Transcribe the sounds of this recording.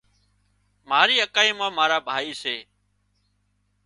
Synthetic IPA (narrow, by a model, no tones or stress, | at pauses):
maːɾiːəkaːiːmãːmaːɾaːbʱaːiːseː